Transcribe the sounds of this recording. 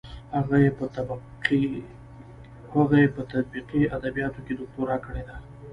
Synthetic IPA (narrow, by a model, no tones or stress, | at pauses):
haɣajepət̪b | i | haɣajepət̪at̪̚biqiad̪abijɑt̪oked̪ʊk̚t̪oɾɑkəɽed̪a